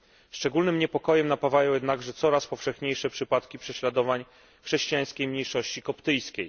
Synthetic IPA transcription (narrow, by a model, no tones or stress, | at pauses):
sʂt͡ʂɛɡulnɘmɲɛpɔkɔjɛmnapavajɔ̃w̃jɛd̪naɡʐɛt̪sɔɾaspɔfʂɛxɲejʂɛpʂɘpat̪kʲipʂɛɕlad̪ɔvaɲ | xʂɛɕt͡ɕijaj̃skʲejmɲejʂɔɕt͡ɕikɔpt̪ɘjskʲej